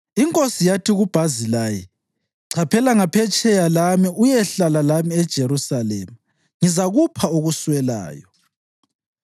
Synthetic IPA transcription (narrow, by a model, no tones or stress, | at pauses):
iŋkʼosijatʰiɣub̥ʱazilajɛ | ǀʰapʰɛlaŋapʰɛt͡ʃʼɛjalamiujɛɬalalamiɛd̥ʒ̥ʱeɾusalɛ̰ːma | ŋizaɣupʰaoɣuswɛla̰ːjɔ